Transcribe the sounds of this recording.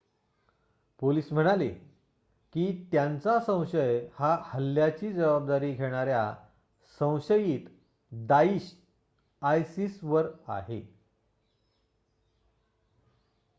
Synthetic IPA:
poliːsm̤əɽ̃ale | kiːt̪jant͡sasə̃w̃ɕəjhahəlːjat͡ɕiːd͡zəʋab̚d̪aɾiːɡʱeɽ̃aɾja | sə̃w̃ɕəjiːt̪ | d̪aiɕ | ajsisʋəɾa̰ɦe

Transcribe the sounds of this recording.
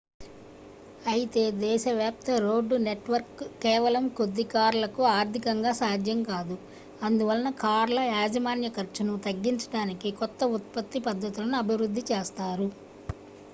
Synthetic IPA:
ɐjit̪e̞ːd̪ɛːʃɐʋjaːp̚t̪ɐɾo̞ːɖːuneʈʋɐɾkːɛːʋɐlɐmkod̪ːikaːɾlɐkuaːɾt̪ʰikɐŋɡaːsaːd̪ʱjɐmkaːd̪u | ɐnd̪uʋɐlɐnɐkaːɾlɐaːd͡ʒɐmaːnjɐkɐɾt͡ʃɐnut̪ɐɡːiɲt͡ʃɐ̥ʈaːnikikɔt̪ːɐut̪̚pɐt̪ːipɐd̪ʱːɐt̪ulɐnuɐbʱiʋɾud̪ʱːit͡ʃɛːst̪aːɾu

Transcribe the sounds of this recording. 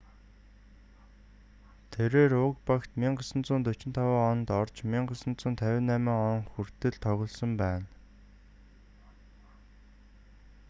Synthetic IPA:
t̪ʰeɾeːɾʊkpakt̪miɴɢə̆sə̆nt͡sʊːnt̪ɵt͡ɕɪ̆nt̪ʰawaːɔnt̪ɔrt͡ɕmiɴɢə̆sə̆nt͡sʊːnt̪ʰæwʲɪ̆nːæːmiːŋɔŋxur̥t̪ɘ̆ɮt̪ʰɔɣʲɞ̆ɮsə̆mpæːn

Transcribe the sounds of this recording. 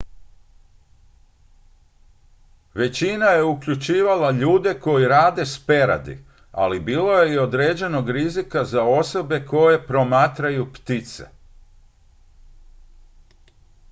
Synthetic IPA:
ʋe̞t͡ɕinaje̞ukʎut͡ʃiːʋalaʎuːd̪e̞ko̞jiɾaːd̪e̞spe̞ɾa̰d̪ḭ | a̰libiːlo̞je̞io̞d̪ɾeːd͡ʑe̞no̞ɡɾizikazao̞so̞be̞ko̞je̞pɾo̞maːt̪ɾajupt̪it̪se̞̰

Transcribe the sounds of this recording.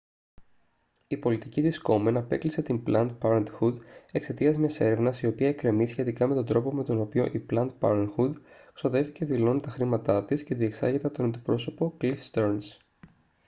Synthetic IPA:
ipo̞lit̪iciðisko̞menɐpe̞klise̞t̪imblɐnt̪̚pɐɾent̪xud̪e̞kse̞t̪iɐzmese̞ɾe̞vnɐsio̞piɐekɾe̞misçe̞t̪ikɐme̞t̪o̞nd̪ɾo̞po̞me̞t̪o̞no̞pio̞ʔiplɐnt̪̚pɐ̰ɾenxud̪kso̞ðe̞fθice̞ðilo̞nit̪ɐxɾimɐt̪ɐt̪isce̞ðie̞ksɐ̰ʝet̪ɐt̪o̞nɐnd̪ipɾo̞so̞po̞klifst̪eɾns

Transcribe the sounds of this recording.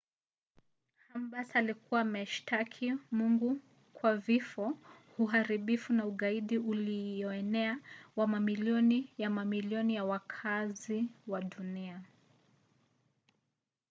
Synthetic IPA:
hambasalikuwaːmɛʃtʰakʰimuŋɡu | kwavifɔhuɦaɾiɓifunauɠaiɗiulijɔɛnɛawamamiliɔnijamamiliɔnijawakʰaziwaɗunia

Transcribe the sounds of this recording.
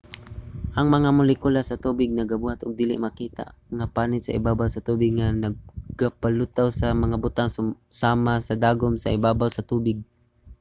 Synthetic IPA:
haŋmɐŋamʊlɪkulasat̪uːbɪɡ̚naɡabuhat̪ʔʊɡ̚d̪iːlɪ̰ʔmakiːt̪a̰ʔŋapanɪt̪sa̰ɪ̰baːbawsat̪uːbɪɡ̚ŋanaɡ̚ɡapalʊt̪awsamaŋabʊt̪aŋssaːmasad̪aːɡʊmsa̰ɪbaːbawsat̪uːbɪɡ̚

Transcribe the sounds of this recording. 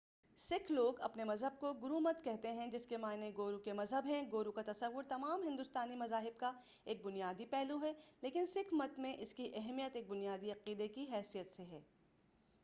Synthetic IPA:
sɪkʰloːɡɐ̰pnemɐzɦəb̚koɡʊɾumət̪kɛɦt̪eɦɛ̃d͡ʒɪskemaːneɡoːɾukemɐzɦəbɦɛ̃ɡoːɾukat̪ɐsɐʋːʊɾt̪ɐmaːmɦɪ̃nd̪ʊst̪aːnimɐzaːɦɪbka | eːk̚bʊnijaːd̪ipɛɦluɦɛleːkɪnsɪkʰmɐt̪mẽʔɪskiʔɐɦmijət̪eːk̚bʊnijaːd̪iɐqiːd̪ekiɦɛːsijət̪seɦɛ̰ː

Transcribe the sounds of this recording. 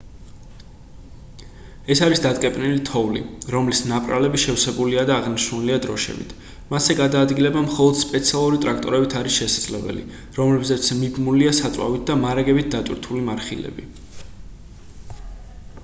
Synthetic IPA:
ɛsaɾisd̪at̪ʼkʼɛpʼnilit̪ʰɔvlḭɾɔmlisnapʼɾa̰lɛbiʃɛfsɛbuliad̪aːʁniʃnunɛliad̪ɾɔʃɛ̰bḭt̪ʰ | masɛɡad̪aːd̪ɡilɛbamχɔlˠɔd̪̥spʼɛt̪sʰialˠuɾit̪ʼɾakʰt̪ʼɔɾɛbit̪ʰaɾisʃɛsad̪zlɛbɛ̰lḭ | ɾɔmlɛbzɛt̪sʰmibmuliasat̪sʼwa̰vit̪̚d̪amaɾaɡɛbit̪̚d̪at̪ʼwḭɾt̪ʰulimaɾχḭlɛ̰bḭ

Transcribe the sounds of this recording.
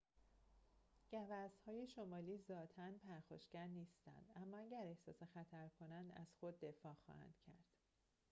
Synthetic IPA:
ɟ̥ævæshɒːjeʃomɒːliːzɒːt̪ʰænpʰæɾxo̰ʃɡæɾniːst̪æ̰nd̪æmːɒːæɟæɾe̞hsɒːse̞xæt̪ʰæɾkʰo̞nænd̪æ̰z̥xo̞d̪ːe̞fɒːxɒ̰ːhæ̰nd̪̥cʰæɾd̪̥

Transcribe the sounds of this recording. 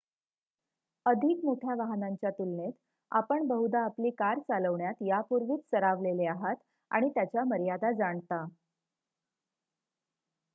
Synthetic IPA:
əd̪ʱikmoʈʰjaʋaɦnaɲt͡ɕjat̪ilnet̪ | a̰pəɳbəɦud̪aːpliːkaɾt͡saləʋɳjat̪japuɾʋiːt͡st͡səɾaʋleleaɦat̪ | a̰ɽ̃it̪jat͡ɕjaməɾjad̪ad͡zaɳt̪a

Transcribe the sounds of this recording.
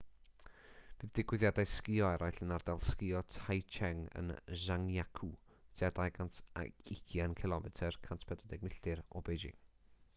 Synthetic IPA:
b̥iðdɪɡwɪðjadajskɪɔɛɾʔajɬənardalˠskɪɔtʰajt͡ʃʰɛŋə̰nzaŋjakʰud̥ʰɛdajɡantʰa̰kɪkʰjankʰɪlˠɔmɛtʰɛrkʰantʰpʰɛdɛdɛɡ̚mɪɬɪɾɔ̰bejd͡ʒɪ̰

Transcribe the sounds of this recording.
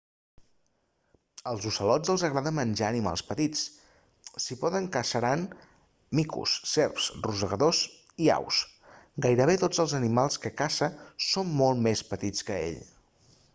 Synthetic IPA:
əlˠzusəlɔd͡zəlˠzəɣ̞ɾaðəmmənʲʒaənima̰lˠspət̪it͡s | sipɔðəŋkəsəɾan | mikṵsːɛɾpsruzəɣəðos | ia̰wsɡajɾəβet̪od͡zəlˠzənimalˠskəkasəsomːolˠt̪mespət̪it͡skəḛʎ

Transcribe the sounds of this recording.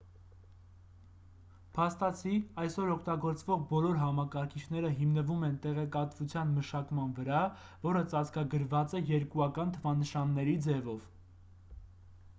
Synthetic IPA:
pʰɑst̪ɑt͡sʰiɑjsɔɾɔkʰt̪ɑɡɔɾt͡svɔʁbɔlɔɾɦɑmɑkɑɾkʰit͡ʃʰnɛɾəɦimnəvumɛnt̪ɛʁɛkɑt̪vut͡sʰjɑnməʃɑkmɑnvəɾɑ | vɔɾət͡sɑt͡sʰkɑɡəɾvɑt͡sɛjɛɾkuɑkɑnt̪ʰəvɑnəʃɑnːɛɾid͡zɛvɔv̥

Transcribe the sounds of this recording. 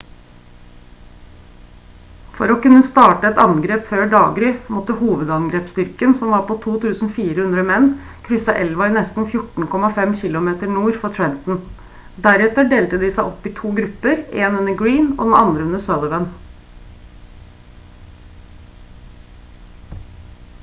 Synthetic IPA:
fɔɾɔkʉnːəst̪ɑːʈəɛt̪ɑŋɡɾeːpføːɖɑ̰ːɡɾɪmɔt̪əhuːʋəd̪ɑŋɡɾeːpst̪ʏɾkənsɔmʋɑːɾpʰoːt̪ʰuːt̪ʰʉːsn̩fiːɾəhʉnd̪ɾəɔmɛnː | kʰɾʏsɑʔɛlʋɑiːnɛst̪n̩fjʊʈɳ̩kʰɔmɑfɛmçɪlʊmeːt̪əɳuːɾfɔt̪ʰɹɛnt̪n̩ | d̪æɾɛt̪əɖeːlt̪əd̪ɪsæɪʔɔpːɪt̪ʰuːɡɾʉpːəɾeːnʉnəɡɹiːno̰ːd̪nɑnd̪ɾəʉnəsøːd̪əʋən

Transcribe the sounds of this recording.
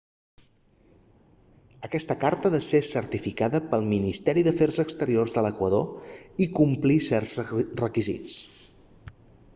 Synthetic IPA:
əkɛst̪əkaɾt̪əðəsesəɾt̪ifikaðəpəlˠminist̪ɛɾiðəfɛrzəkst̪əɾiorzðələkwəðoikumplisɛrz̥rəkizḭt͡s

